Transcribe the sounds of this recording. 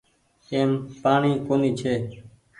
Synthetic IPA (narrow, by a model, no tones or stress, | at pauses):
eːmpaːɳ̃iːkoːniːt͡ʃʰeː